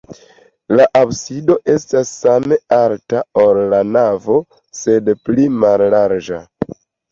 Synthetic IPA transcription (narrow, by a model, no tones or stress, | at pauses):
laʔabsido̞ʔe̞stasːame̞altaolːanavo̞ | se̞dplimalːaɾd͡ʒa